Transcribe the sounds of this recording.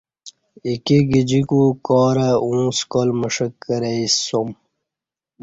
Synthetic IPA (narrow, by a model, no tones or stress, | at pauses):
ikiɡid͡ʑikukɔːɾaũːskolməʂəkːəɾeisom